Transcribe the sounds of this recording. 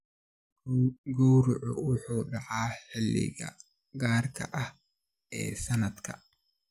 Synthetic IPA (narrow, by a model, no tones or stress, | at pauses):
ɡɔwɾʊʕʊʊħuːɖɑʕaːħɪlːɪ̰ɣɐ̰ | ɡaːrkʰɐ̰ʔɐh | ʔɛ̰ːsɐnɐd̪kʰɐ̰